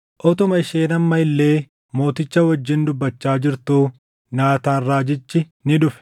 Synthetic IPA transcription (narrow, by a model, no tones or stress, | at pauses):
ʔɔt̪ʊmɐɪʃeːnɐmːɐɪlːe̞ː | mo̞ːt̪ɪt͡ʃːɐwɐd͡ʒːɪnd̪ʊbːɐt͡ʃːaːd͡ʒɪɾt̪uː | naːt̪aːnraːd͡ʒɪt͡ʃːɪ | nɪᶑʊfɛ̥